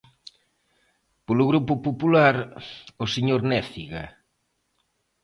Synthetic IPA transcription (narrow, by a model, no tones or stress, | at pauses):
polʊɣɾupʊpopulaɾoseɲoɾnɛθiɣa